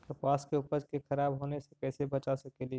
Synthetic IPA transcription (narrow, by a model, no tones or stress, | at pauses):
kɐpaːskeuːpəɾkexʰɐɾaːbɦoːnesekɛːsebɐt͡ʃasekeli